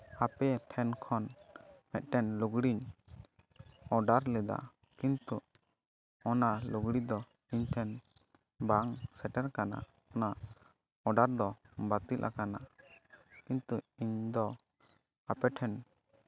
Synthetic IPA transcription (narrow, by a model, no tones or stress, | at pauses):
apɛʈʰɛnkʰɔnmɛt̪̚ˀʈɛnluɡɽiɲ | ɔɖaɾlɛd̪a̰ | kint̪u | ɔnaluɡɽid̪ɔ | iɲʈʰɛn | baŋsɛʈɛɾkana̰ | ɔna | ɔɖaɾd̪ɔbat̪ilʔa̰kana | kint̪uiɲd̪ɔ | apɛʈʰɛn